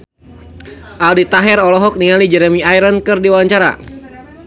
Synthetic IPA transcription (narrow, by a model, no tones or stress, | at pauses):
ʔaldit̪aɦɛrɔlɔɦɔk̚niŋalid͡ʒɛɾɛmiajɾənkɨrdiwaɲt͡ʃaɾa̰